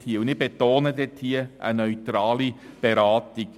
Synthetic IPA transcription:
thiəund̪ɪχb̥et̪oːnədɛt̪hiəʔə̰nœʏt̪ɾɑːlib̥eɾɑːt̪iɡ

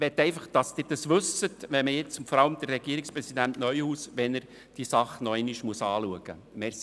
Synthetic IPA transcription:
ʋɛt̪ːɛɪfɑχd̥ɑsd̥̪ɪːɾd̥ɑsʋɵsətʋɛməjɪt͡sʊtfɔɾɑləmd̥̪əɾːɛɡ̥iəɾikspɾɛsid̪æntnœʏhuːsʋɛnəɾ | d̥iəsɑχnɔɛɪniʃmuəsɑːluəɡ̥ə̰mɛɾs

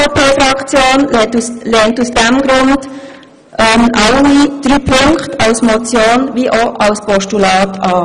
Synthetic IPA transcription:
oːpeːfɾɑkt͡sjoːntuslɛːntusd̥ɛmɡɾʊnd̥ | ʔɛmɑlːid̥ɾyːpʰɵŋkχtɑlsmɔt͡sjoːnʋiʔoʔɑlspʰɔʃtulɑːtʰɑː

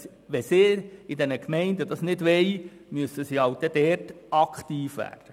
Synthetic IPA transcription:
ʋɛsɪːɾidɛnəkmɛɪndəd̥ɑsnɪdʋɛɪ | myəsəsiɑwd̥ɛd̥ɛːrtɑkχt̪iːfʋæ̰ːrd̥ə

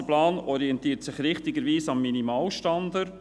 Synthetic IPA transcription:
əplɑːnɔɾiɛnt̪iːtsɪχɾɪχtɪɡəɾʋiːsɑmːinimɑːlʃtɑnd̪əɾ

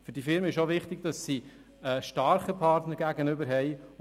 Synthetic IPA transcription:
fɵɾdifɪɾmənɪʃoʋɪχtɪɡ̥d̥ɑsːi | əːʃtɑɾχəpʰɑrtnəɾɡ̥æɡənʏbəɾɦɛɪ

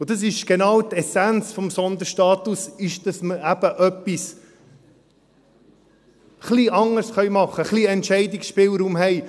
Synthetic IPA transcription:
ʊd̥ɑs̬ɪʃɡ̥enɑːwt̪ɛsænt͡sfɔmsɔnd̪əʃtɑːt̪usɪʃd̥ɑsməæb̥əʔœpːis | χliʔɑŋəɾsχœjmɑχːəχliɛntʃɛɪdɪksʃpɪːlɾuːmɦɛɪ

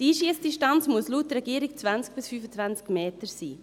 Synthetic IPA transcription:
d̥iːʃiːəsd̥iʃtɑnt͡smuəslutrɛɡiəɾikt͡svænsk̚b̥ɪsfyːfət͡svænt͡skmeːtəɾsiː

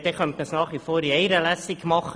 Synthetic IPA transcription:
d̥eχœnt̪məsnɑːχʋifoːɾiɛɪɾəlæsikmɑχ

